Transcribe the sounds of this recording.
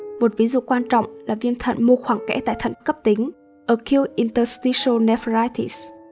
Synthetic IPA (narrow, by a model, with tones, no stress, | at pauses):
mo˨˩t̚vi˨˦zṵ˧˨kwaː˧nt͡ɕɔ̰˧˨wŋ͡mlaː˨˩vi˧əmt̪ʰə̰˧˨nmo˧xwaː˧˩ŋkɛ̰˧˥t̪a̰ː˧˨jt̪ʰə˧˨nkə˦˥p̚t̪i˨˦ŋ̟ | ʔəː˧˩ki˧əwʔi˧nt̪əː˧st̪i˧so˧nɛ˧fɹaː˧jt̪ḭ˧˨s